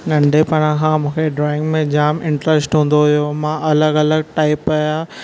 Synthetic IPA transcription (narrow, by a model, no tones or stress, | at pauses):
nɐ̃ɳɖʱepɐɽ̃ãkʰãmũːkʰeɖɾɔːɪ̃ŋɡmẽd͡ʑaːmɪ̃ɳʈɾəsʈɦũːn̆d̪oɦʊjomãʔɐləɡɐləɡ̚ʈaːɪpɐjaː